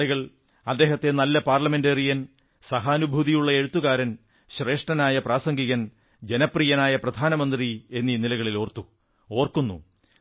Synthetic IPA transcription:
ɐɣɐɭ | ɐd̪ːe̞ːɦɐt̪ːe̞nɐlːɐpaːrlɐme̞nderijɐn | sɐɦaːnubʱuðijuɭːɐe̞ɻut̪ːuɣaːɾɐn | ɕre̞ːʂʈɐnaːjɐpraːsɐŋɡiɣɐn | d͡ʑe̞nɐprijɐnaːjɐprɐd̪ʱaːnɐmɐnd̪rie̞nːinilɐɣɐɭilo̞ːrt̪ːu | o̞ːrkunːṵ

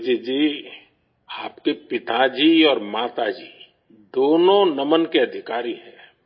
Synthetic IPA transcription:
d͡ʒid͡ʒiː | aːpkepɪt̪ad͡ʒiːɔːɾmaːt̪ad͡ʒiː | d̪oːnõnɐmənkeɐd̪ʱɪkaːɾiɦɛː

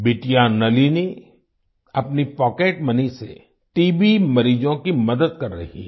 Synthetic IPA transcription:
bɪʈijanɐlini | ɐpnipɔːkeːʈmɐnisḛ | ʈiːbimɐɾiːd͡ʒõkimɐd̪əd̪̚kɐɾːɐ̰ɦḭ

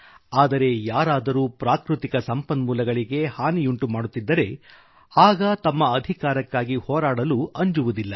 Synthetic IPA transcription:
aːd̪ɐɾe̞jaːɾaːd̪ɐɾuːpɾaːkɾut̪ikɐsɐmpɐnmuːlɐɡɐɭiɡe̞haːnijuɳʈumaːɽut̪ːid̪ːɐɾe̞ | aːɡɐt̪ɐmːɐːd̪ʱikaːɾɐkːaːɡihɔːɾaːɽɐluɐɲd͡ʒuʋud̪ilːɐ

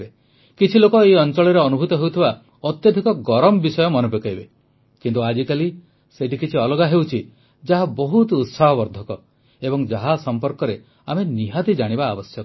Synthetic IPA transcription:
be | kit͡ʃʰilokɔejɔnt͡ʃɔɭiɾeɔnubʱut̪ɔɦewt̪ʰiba | ɔt̪jɔd̪ʱikɔɡɔɾɔmɔbisɔjɔmɔnɔpokaibe | kint̪uad͡ʒikali | seʈikit͡ʃʰiɔlɔɡaɦewt͡ʃʰi | d͡ʒaɦabɔɦut̪ut̪saɦɔbɔɾd̪ʱɔkɔ | ebɔŋd͡ʒaɦasɔmpɔɾkɔɾe | ameniɦat̪id͡ʒaɽ̃ibaːbɔsjɔk

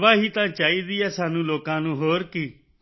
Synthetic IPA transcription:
ʋaːɦiːt̪ãːt͡ʃaːiːd̪ɪjaːsaːnũːloːkãːnũːɦoːɾkiː

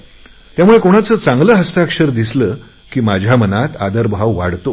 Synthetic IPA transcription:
t̪jamuɭekoɽ̃at͡səːt͡saŋɡləːɦəst̪akʂəɾd̪isləː | kiːmad͡ʑʱjamənat̪ad̪əɾbʱaʋʋa̰ɽt̪o

